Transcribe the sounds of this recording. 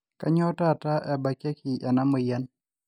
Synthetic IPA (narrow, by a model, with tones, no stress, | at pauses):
ka˦ɲɔ˦ta˦˨ta˦ʔɛ˨ba˨ke˦ki˨ʔa˨na˦mo˨ja˦n